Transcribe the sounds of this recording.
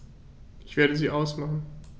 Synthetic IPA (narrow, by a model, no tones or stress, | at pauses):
ʔɪçv̥eːɐɾəziːʔaʊsmaχn̩